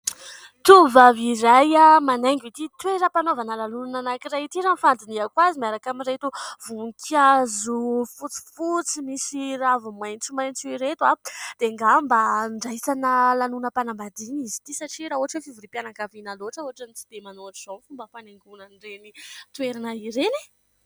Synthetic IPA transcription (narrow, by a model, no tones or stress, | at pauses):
t̪uvavizajamaneŋɡit̪it̪weɾəpanovanəlanunnanakiraɦit̪iɾanfand̪iniakwazimiaɾakamiɾet̪uvuŋkʰiazufut͡si̥fut͡simisiɾavumajnt͡simajnt͡siiɾet̪wad̪̥eŋɡambaɳɖ͡ʐajt͡sanəlanunəpanambad̪inizi̥t̪isaʈ͡ʂiɾaɦuɦaʈ͡ʂefivuɾipjanakavinaloɦaʈ͡ʂauɦaʈ͡ʂanit͡si̥d̪emanoaʈ͡ʂiz̥onfumbəpaneŋɡunənirenit̪weɾanaiɾeni